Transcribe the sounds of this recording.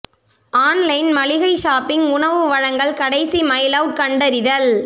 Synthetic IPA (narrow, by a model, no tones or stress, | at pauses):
ʔaːnlɐɪnmɐlɪɣɐɪʃaːpɪŋʊɳɐʋɯʋɐɻɐŋɡɐɭkɐɽɐɪsimɐjlɐʋkɐɳɖɐɾɪðɐl